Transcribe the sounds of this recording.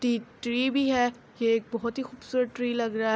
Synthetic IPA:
ʈiʈɾiːbʱiɦɛ | jeːk̚bɔɦʊt̪ɦixuːbsuːɾət̪̚ʈɾiːlɐɡɾɐaɦ

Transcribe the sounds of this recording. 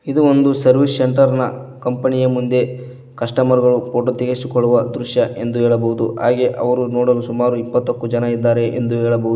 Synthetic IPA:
id̪uond̪usɐɾʋisːeɳʈɐɾnɐ̰kɐmpɐnijɐmund̪e̞ | kɐʂʈɐmɐɾɡɐɭupoːʈot̪iɡesukɔɭːuʋɐd̪ɾuʃjɐʔe̞nd̪uɦɛːɭɐbɐɦud̪uɦaːɡe̞ʔɐ̰ʋɐɾunoːɽɐlusumaːɾuipːɐt̪ːɐkːud͡ʒɐnɐid̪ːaːɾe̞ʔḛnd̪uɦɛːɭɐboɦud̪u

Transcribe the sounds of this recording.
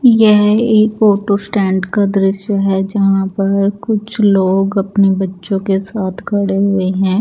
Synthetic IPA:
jɛɦeːkoːʈosʈɛ̃ːɳɖkad̪ɾɪʃjaɦɛd͡ʒɐɦãpɐɾkʊt͡ʃʰloːɡɐpnebɐtːʃõkesaːt̪ʰkʰɐɽeɦʊeɦɛ̃ː

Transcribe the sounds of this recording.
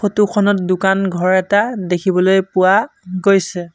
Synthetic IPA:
xʰotukʰɔnɔt̚dʊkanɡʱɔɹɛtadekʰibɔlojpʊwa | ɡojsɛ

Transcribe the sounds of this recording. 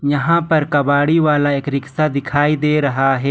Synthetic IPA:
jɐɦãpɐɾkɐbaːɽiʋaːlaeːkɾɪksad̪ɪkʰaːid̪eːɾɐɦaɦɛː

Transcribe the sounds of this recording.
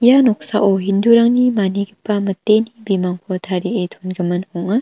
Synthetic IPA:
janɔk̚sa̰ʔɔɦinduɾaŋnimaniɡipːamɐtːenibimaŋkʰɔtʰaɾietʰonɡɐmɐnhɔŋa

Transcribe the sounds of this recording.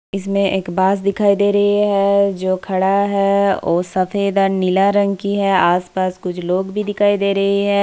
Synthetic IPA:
ɪsmẽʔeːkbaːs̬d̪ɪkʰaːid̪eːɾɐɦiɦɛd͡ʒoːkʰɐɽaɦɛɔ̰ːsɐfeːd̪aːnɪlaɾɐ̃ŋɡkiɦɛaːspaːskʊt͡ʃʰloːɡbʱid̪ɪkʰaːid̪eːɾɐɦiɦɛː

